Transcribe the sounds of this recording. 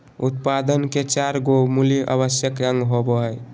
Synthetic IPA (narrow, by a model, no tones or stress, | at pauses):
ut̪pad̪ənket͡ʃaɾɡomuliʔa̰bəsjəkɾə̃ŋɡɦoboɦəj